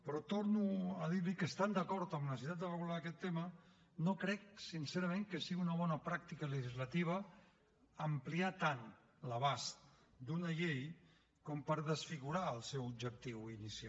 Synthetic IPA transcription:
pɾɔt̪oɾnuəð̞iɾlikəst̪and̪əkɔɾt̪əmnəs̬it̪at̪ərəɣulaːkɛt̪ːemə | nokɾɛk̚sinseɾəmẽŋkəsiɣiunəβ̞ɔnəpɾak̚t̪ikələʒizlat̪iβ̞əː | mpliat̪an | ləβ̞ast̪ | d̪unəʎej | kɔmpəɾðəsfiɣuɾaəlˠsɛwubd͡ʒək̚t̪iwinisia

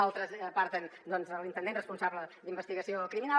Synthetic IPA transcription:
alˠt̪ɾəzəpaɾt̪ənd̪ɔnzəlˠint̪ənd̪enrəspunsaβləd̪imbəst̪iɣəsiokɾimina

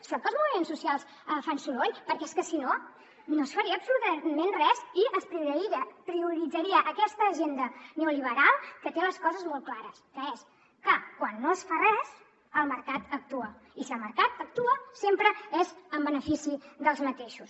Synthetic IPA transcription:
siat̪əlˠzmuβimensːusialˠs | əfansuloʎpəɾkɛeskəsino | nosfəɾiəːpsulut̪əmenrɛziəspɾiuɾɾiəpɾiuɾid͡zəɾiəʔːkɛst̪əːʒend̪əneuliβ̞əɾalˠkət̪eləskɔzəzmɔl̚ˠklaɾəskəes | kəkwanːoəsfarɛz | əlˠməɾkat̪ək̚t̪uə | isiəlˠməɾkat̪ək̚t̪uəsempɾəezəmbənəfisiðəlˠzmət̪eʃus

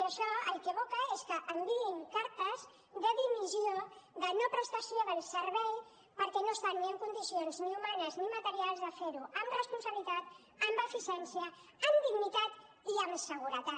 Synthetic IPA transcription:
ɾəʃɔəlˠkeβokəeskəʔəmbiiŋkaɾt̪əz | ðəðimizioðənopɾəst̪asjoðəlˠsəɾβɛj | pəɾkɛnost̪anːiəŋkund̪isionzniumanəznimət̪əɾialˠzðəfeɾuəmrəspunsəβlit̪at̪ː | mbəfisɛnsiə | əmd̪iɣnit̪at̪ | iəmsəɣ̞uɾət̪a

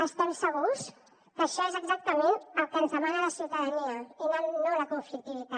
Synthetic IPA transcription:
əst̪ɛmsəɣ̞us | kəʃɔezəɡzak̚t̪əmenəlˠkənzðəmanələsiwt̪əðəniəinonoləkuɱflik̚t̪iβit̪a

